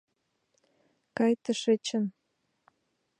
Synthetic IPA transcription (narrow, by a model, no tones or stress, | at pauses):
kɑjt̪ə̆ʃet͡ɕən